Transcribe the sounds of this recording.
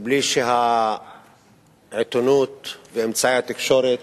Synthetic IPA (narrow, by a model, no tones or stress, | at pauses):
bliʃeɦa | ʕet̪onut̪veːmt͡saihat̪ikʃoɾit̪